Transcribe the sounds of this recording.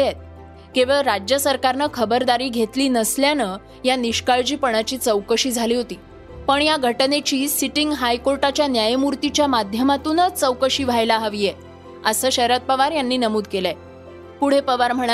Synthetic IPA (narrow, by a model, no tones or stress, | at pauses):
et̪̚ | kĩʋəɭɾad͡ʑjəsəɾkaɾnəkʰəbəɾd̪aɾiːɡʱet̪liːnəsljanə | janiɕkaɭd͡ʑiːpəɳ̃at͡ɕiːt͡səwkəɕiːd͡zʱaliːɦot̪iː | pəɳjaɡʱəʈnet͡ɕiːsiʈiŋɡɦajkoɾʈat͡ɕjanjajmuɾt̪it͡ɕjamad̪ʱjəmat̪uːnət͡səwkəɕiːʋ̤ʱajlaɦəʋije | əsəːɕəɾat̪̚pəʋaɾjanːiːnəmuːd̪kelae | puɽ̤epəʋaɾm̤əɽ̃